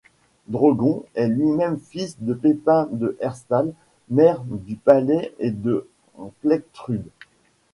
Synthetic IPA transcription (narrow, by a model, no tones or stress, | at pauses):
d̪ʁɔɡɔ̃ɛlɥimɛmfisd̪əpepɛ̃d̪əʔɛʁst̪al | mɛʁd̪ypalɛed̪ə | plɛk̚t̪χyd̪